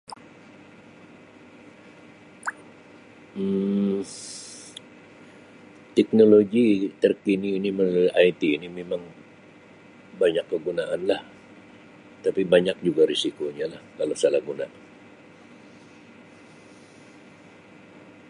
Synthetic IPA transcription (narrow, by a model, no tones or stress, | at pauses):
t̪ɛk̚noloɡit̪ərkiniːnimənuʔajt̪iːnimemaŋ | baɲakːəɡunaʔanlah | t̪apibaɲak̚d͡ʒuɡaɾisikoɲalahkalosalahɡuna